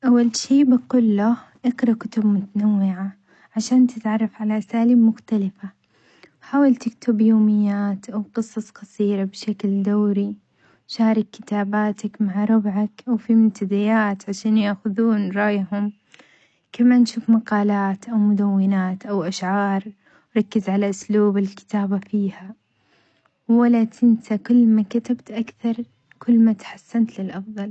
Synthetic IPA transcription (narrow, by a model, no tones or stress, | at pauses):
ʔawːalʃiːbɪqʊlːʊ | ʔɪqɾˤɑkʊt̪ʊbmʊt̪anawːɪʕa | ʕaʃaːnt̪ɪt̪ʕɑrˤːɑfʕalaʔasaːliːbmʊxt̪alɪfa | wħaːwalt̪ɪkt̪ʊbjoːmɪjːaːt̪ʔawqɨsˤɑsˤqɑsˤiːɾabʃakld̪awːɾi | ʃaːɾˤɪkːɪ̥t̪aːbaːt̪akmaʕɾˤʊbʕakʔawfimʊmt̪ad̪ɪjaːt̪ʕaʃaːnjaːxʊðuːnɾˤɑjhʊm | kamanʃuːfmaqɑːlaːt̪ʔawmʊd̪awːɪnaːt̪ʔawʔaʃʕɑːɾˤ | ɾˤɑkːɪzʕalaʔʊsluːbɪlkɪ̥t̪aːbafiːha | wwalat̪ɪnsakʊlːmakat̪abt̪ʔakθɑɾˤ | kʰʊlːmat̪ħasːant̪lɪlʔɑfðˤɑl